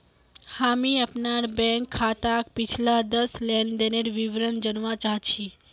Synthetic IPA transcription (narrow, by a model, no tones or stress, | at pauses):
hamiəpnaɾbɛ̃ŋkʰːat̪akpɪt͡ʃʰlad̪əslɛnɖəneɾʋiʋɾənd͡ʒənʋãt͡ʃaɦt͡ʃʰi